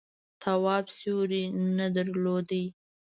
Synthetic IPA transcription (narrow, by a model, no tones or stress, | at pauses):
t̪ʰawɑbsoɾinad̪əɾlod̪ə